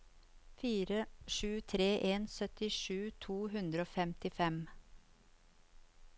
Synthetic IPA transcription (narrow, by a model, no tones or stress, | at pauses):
fiːɾəʃʉːt̪ʰɾeːʔeːnsœt̪ɪʃʉːt̪ʰuːhʉnd̪ɾəoːfɛmt̪ɪfɛm